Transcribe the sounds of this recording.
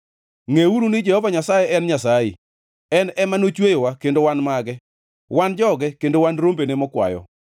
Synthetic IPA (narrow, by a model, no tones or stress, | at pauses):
ŋeuɾunɪd͡ʒɛhɔvaɲasajeɛnɲasajḛ | ɛnɛmanot͡ʃwejowakendowanmaɡɛ | wand͡ʒɔɡɛkendowanɾombenemɔkwa̰jɔ̰